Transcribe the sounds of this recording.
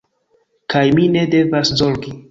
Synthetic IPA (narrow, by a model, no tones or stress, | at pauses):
kajmine̞de̞vaszoɾɡi